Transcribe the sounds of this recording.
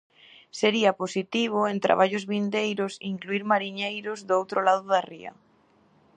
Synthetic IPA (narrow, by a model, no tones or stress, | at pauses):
seɾiɐposit̪iβ̞oent̪ɾa̰βaʎʊzβind̪ejɾʊsiŋkluiɾmaɾiɲejɾʊzðowt̪ɾolaðʊðarḭɐ̰